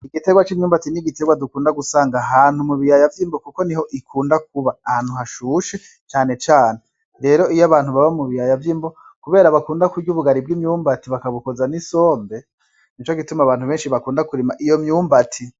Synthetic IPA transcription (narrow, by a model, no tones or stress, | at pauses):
iɡite̞ɡwat͡ʃimɲuːmbatiniɡite̞ɡwadukuːndaɡusaːŋɡaɦaːnhumuβijajavjiːmbokuko̞niho̞ʔikʰuːndak̚uβaːhaːn̥huɦaʃuːʃe | t͡ʃaːne̞t͡ʃaːne̞ | ɾe̞ːɾo̞ijaβaːnhuβaβamuβijajavjiːmbo | kuβe̞ːɾaβakuːndakuɾɟuβuɡaɾib̚ɡimɲuːmbatiβakaβuko̞zaniso̞ːmbe̞ | nit͡ʃoɡitumaβaːn̥huβeːnʃiβakuːndakuɾimaʔijo̞mɲuːmbatʰi